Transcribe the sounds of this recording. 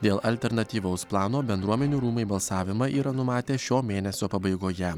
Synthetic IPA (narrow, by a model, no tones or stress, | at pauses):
d̪ʲeːlˠɐlʲt̪ʲɛɾnɐt̪ʲiːʋɐʊsplˠɑːnoːbʲɛnd̪ɾuɔmʲɛnʲuːɾuːmɐɪbɐlˠsɑːʋʲɪmɐʔiːɾɐnʊmɑːt̪ʲeːʃʲoːmʲeːnʲɛsʲoːpɐbɐɪɡoːjɛ